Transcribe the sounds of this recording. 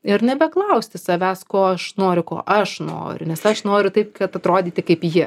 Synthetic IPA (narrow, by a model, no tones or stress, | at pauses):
ɪɾnʲɛbʲɛklˠɐʊsʲt̪ʲɪsɐʋʲæːskoːɐʃnoːɾʲʊko̰ːʔɐʃno̰ːɾʲʊ̰nʲɛsɐʃnoːɾʲʊt̪ɐɪp̚kɐt̪ɐt̪ɾoːd̪ʲiːt̪ʲɪkɐɪpjɪ